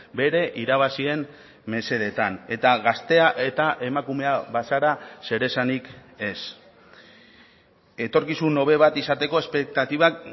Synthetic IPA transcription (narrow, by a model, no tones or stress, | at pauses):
be̞ɾe̞ʔiɾaβ̞asie̞n | me̞se̞ð̞e̞t̪ane̞t̪aɣast̪e̞aʔe̞t̪aʔe̞makume̞aβasaɾase̞ɾe̞sanike̞s | e̞t̪o̞ɾkisuno̞β̞e̞β̞at̪isat̪e̞ko̞e̞spe̞k̚t̪at̪iβ̞ak